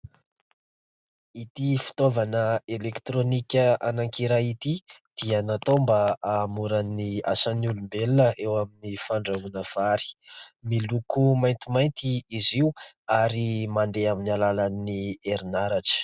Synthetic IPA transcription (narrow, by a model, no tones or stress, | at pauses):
it̪ifi̥t̪ovanəelekt̪ɾonikʲəa̰naŋkiɾajit̪id̪̥ianat̪ombaamuɾania̰sanulumbelnəʔewaminifaɳɖ͡ʐavunəv̥aɾi̥milukumajnt̪imajnt̪iiziw | aɾimand̪eaminialalanːieɾinaɾaʈ͡ʂə̥